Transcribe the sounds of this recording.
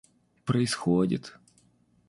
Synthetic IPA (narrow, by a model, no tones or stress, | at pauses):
pɾəɪsxodʲɪ̰t̪